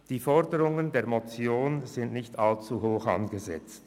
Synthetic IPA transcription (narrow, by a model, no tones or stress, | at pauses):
d̥iːfɔʁdəʁʊŋəndeːɐmot͡sjoːnzɪntnɪçtalt͡suɦoːxa̰nɡəzɛ̰t͡st